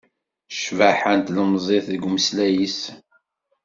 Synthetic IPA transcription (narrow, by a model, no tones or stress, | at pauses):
ʃvaħənt̪ləmzˤeθðəɡməslæjis